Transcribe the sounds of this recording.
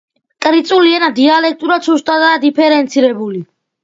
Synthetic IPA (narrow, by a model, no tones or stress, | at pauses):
kʼɾit̪sʼuliɛnad̪ialɛk̚ʰt̪ʼuɾat̪sust̪ʼad̪aːd̪ipʰɛɾɛnt̪sʰiɾɛbuli